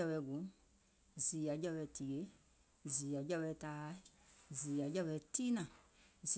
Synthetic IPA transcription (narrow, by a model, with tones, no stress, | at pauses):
a˧wɛ˧˦˨ɡũ˨˦ | zi˨ja˨˦d͡ʒa˧wɛ˧˨ti˨e˨˦ | ziː˨ja˨˦d͡ʒa˧βɛ˧˦taː˨˦ziː˨ja˨˦d͡ʒa˧βɛ˧˦tiː˦nã˨z